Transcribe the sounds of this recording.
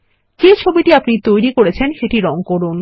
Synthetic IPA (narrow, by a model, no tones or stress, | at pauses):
d͡ʑet͡ɕʰobiʈiapnit̪ojɾikoɾet͡ɕʰenʃeʈiɾɔŋkoɾun